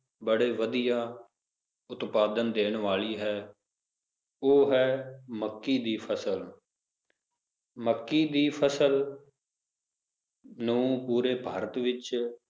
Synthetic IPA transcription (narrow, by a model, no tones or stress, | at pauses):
bəɽeːʋəd̪ijaː | ʊt̪paːd̪ənd̪eːɳʋaːliːɦɛː | oːɦɛːməkːiːd̪iːpʰəsəl | məkːiːd̪iːpʰəsəl | nũũpuːɾeːbʱaːɾət̪ʋɪt͡ʃ